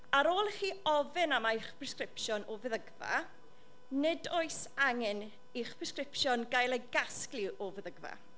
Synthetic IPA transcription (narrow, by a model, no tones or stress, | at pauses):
aɾoːlˠχiːɔvɨnamaɪχpʰrɛskrɪpʃjɔnɔvɛðəɡva̰ | nɪdoɨsaŋɨn | iχpʰrɛskrɪpʃjɔnɡajlˠeɡasklˠɪʔɔvɛðəɡva̰